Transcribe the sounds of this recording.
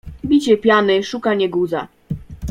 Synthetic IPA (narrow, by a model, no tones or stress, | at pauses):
bʲit͡ɕɛpʲjanɘʂukaɲɛɡuza̰